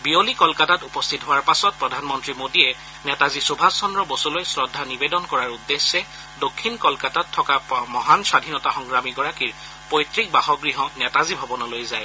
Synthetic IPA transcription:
biolikɔlkatatupɔst̪ʰitɦoaɹpasɔt̚pɹɔdʱanmɔntɹimodiɛ | nɛtazisubʱasːɔndɹɔbosolojsɹɔdʱːanibedɔnkɔɹaɹudːesːɛ | dokʰːinkɔlkatatʰːɔkamɔɦansadʱinɔtaxɔŋɡɹamiɡɔɹakiɹ | pɔjtɹik̚baɦɔɡɹiɦɔnɛtazibʱɔbɔnɔlojzaj

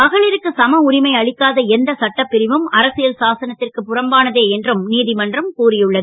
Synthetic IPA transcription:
pɐɣɐɭɪɾɯkːɯsɐmɐʊɾɪmɐɪɐɭɪkːaːðɐɛnd̪ɐsɐʈːɐpːɪɾɪʋɯmɐɾɐsɪjɐlsaːsɐnɐt̪ːɪrkɯpʊrɐmbaːnɐðeːɛndrɯmniːðɪmɐndrɐmkuːrɪjɯɭːɐðɯ

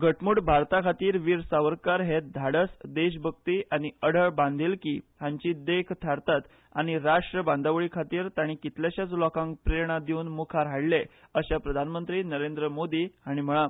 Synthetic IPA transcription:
ɡʱəʈmuːɽbʱaɾt̪akʰat̪iːɾʋiːɾsaʋəɾkaɾɦet̪̚d̪ʱaɽəsd̪eɕbʱək̚t̪iʔaɽ̃iəɽ̤əɭbãnd̪ʱilkiːɦãɲt͡ɕiːd̪ekʰt̪ʰaɾt̪at̪ | aɽ̃iɾaʂʈɾəbãnd̪aʋɭiːkʰat̪iːɾt̪aɽ̃ikit̪laɕat͡slɔkãŋkpɾeɾɳ̃ad̪iunmukʰaɾɦaɭle | əɕapɾəd̪ʱanmənt̪ɾiːnəɾend̪ɾəmod̪iːaɽ̃im̤əɭa

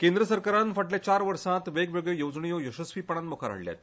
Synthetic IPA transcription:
kẽnd̪ɾəsəɾkaɾanfəʈljat͡ɕaɾʋəɾsãt̪ʋeɡʋeɡɭjəjod͡zɳijojoɕəsʋiːpəɳ̃anmokʰaɾa̰ɽlja̰t̪

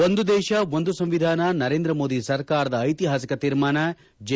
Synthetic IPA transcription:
ond̪ud̪ɛːʃɐʋond̪usɐ̃mʋid̪ʱaːnɐnɐɾeːnd̪ɾɐmoːd̪isɐɾkaːɾɐd̪ɐːjt̪iɦaːsikɐt̪iːɾmaːnɐ | d͡ʒ

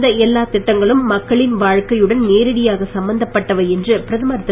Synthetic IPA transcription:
d̪ɐɛlːaːt̪ɪʈːɐŋɡɐɭɯmːɐkːɐɭɪnʋaːɻkɐjɯɽɐnneːɾɐɽɪjaːɣɐsɐmbɐnd̪ɐpːɐʈːɐʋɐɛndrɯpɪɾɐðɯmɐɾɐt̪ː

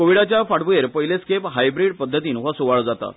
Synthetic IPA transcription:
koʋiɽat͡ɕjafaɽbueɾpəɦjleskepɦajbɾiɽpəd̪ʱːət̪iːnʋasuʋaɭd͡zat̪a̰

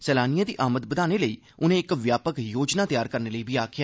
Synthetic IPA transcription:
sɛːlaːnijãːd̪iːʔaːmət̪bəd̪aːneːləiː | ʊnẽːɪkʋjaːpəkjoːd͡ʒnaːt̪jaːɾkəɾneːləiːbiːaːkʰɪjaː

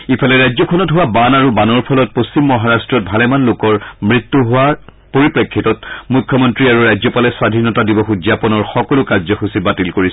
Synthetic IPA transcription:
ipʰalɛɹajzɔkʰɔnɔtɦʊwabanaɹubanɔɹpʰɔlɔt̚post͡ɕimːɔɦaɹastɹɔt̚bʱalɛmanlokɔɹmɹitːuɦʊwa | poɹipɹekʰːitɔtmukʰːjɔmɔntɹiaɹuɹajzɔpalɛswadʱinɔtadibɔxud͡ʒzapɔnɔɹxɔkɔlʊkaɹzɔxusibatilkoɹisɔ

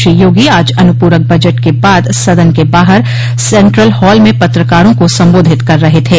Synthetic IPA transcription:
ʃijoːɡiaːd͡ʒɐnʊpuːɾək̚bɐd͡ʒəʈkebaːd̪sɐd̪ənkebaːɦəɾ | sɛ̃ːɳʈɾəlhɔːlmẽpɐt̪ɾəkaːɾõkosɐ̃mboːd̪ʱɪt̪kɐɾːɐɦet̪ʰeː

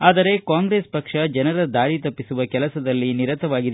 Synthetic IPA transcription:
aːd̪ɐɾe̞kaːŋɡɾeːspɐkʂɐd͡ʒɐnɐɾɐd̪aːɽit̪ɐpːisuʋɐkɛlɐsɐd̪ɐlːiniɾɐt̪ɐʋaːɡid̪e

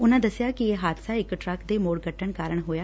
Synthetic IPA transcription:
ʊnãːd̪əsɪjaːkɪeːɦaːd̪saːɪkʈɾəkd̪eːmoːɽɡʱəʈʰəɳkaːɾəɳɦoːjaː

